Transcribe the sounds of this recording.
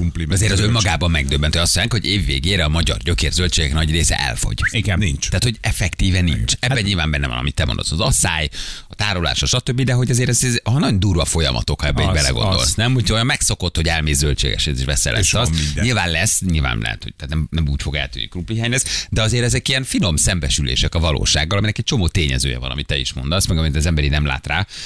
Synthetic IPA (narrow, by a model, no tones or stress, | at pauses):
upliɒzeːɾɒzømːɒɡaːbɒmːɛɡd̪øbːɛnt̪ʰojɒst̪ːiaːŋkho̞ɟeːvːḛːɡeːɾɛɒmɒɟɒ̰rɟøkerzølt͡ʃeːɡɛknɒɟreːsɛ̰ʔɛ̰lfo̞̰ɟuiɡnint͡ʃt̪aːt̪ho̞ɟɛfɛkt̪iːvɛnːḭnt͡ʃɛbbːɛɲilvaːmbɛnːɛvɒ̰nɒ̰mit̪ːɛmond̪o̰sɒzɒsa̰ːjɒt̪aːɾola̰ːʃɒʃɒt̪øbːid̪ɛɦo̞ɟɒzeːɾɛzɛzɦɒnɒɟond̪uːɾvɒfo̞jɒ̰mʔɒ̰t̪o̞khɒɛbːibɛlɛ̰ɡo̰nd̪o̞̰lsnɛmhucʰojɒmːɛkso̞ko̞t̪ho̞ɟɛlmeːzːølt͡ʃeːɡɛ̰ʃɛzḛːʃvɛsːɛ̰lʔɛ̰sɒsɲilvaːnlɛsɲilva̰ːnlɛ̰ɦɛ̰t̪hoɟ̚t̪aːt̪nɛmnɛmuːcfo̞ɡɛ̰lt̪y̰nːḭkrupːiɦaːɲlɛsd̪ɛɒzeːɾɛzɛkijɛnfino̞msɛmbɛʃylḛːʃɛkɒvɒlo̰ːʃa̰ːɡːɒlɒminɛkɛc̚t͡ʃo̞moːt̪eːɲɛ̰zø̰ːjɛ̰vɒnɒ̰mit̪ːɛḭʃmo̞nd̪ɒsmɛɡɒmit̪ːzɛmbɛɾinɛmla̰ːt̪raː